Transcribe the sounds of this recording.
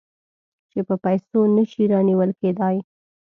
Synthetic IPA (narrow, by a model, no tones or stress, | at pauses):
t͡ʃepəpajsonəʃiɾɑniwəlked̪ɑj